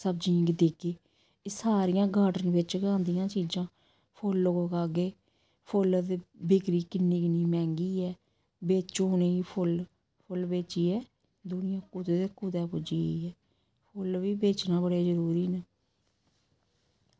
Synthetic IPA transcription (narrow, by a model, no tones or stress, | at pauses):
səbd͡ʒĩːŋɡd̪eːkeː | saːɾɪjãːɡaːɖənʋɪt͡ʃɡãːnd̪ɪjãːt͡ʃiːd͡ʒãː | pʰʊlːoɡoːkaːɡeː | pʰʊld̪ebɪkɾiːkɪnːiːkɪniːmɛ̃ːŋɡiːɛː | beːt͡ʃoneːiːpʰʊl | pʰʊlbeːt͡ʃiːɛː | d̪ʊnɪjãːkut̪eːd̪eːkuːt̪ɛːpʊd͡ʒiːiɛː | pʰʊlʋiːbeːt͡ʃnãːbəɽeːzəɾuːɾiːne